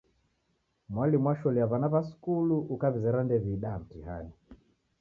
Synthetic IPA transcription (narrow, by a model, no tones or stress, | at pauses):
mwalimwaʃɔliaβanaβasu̥kuluʔukaβizɛɾandɛβiːɗaam̩tiha̰ni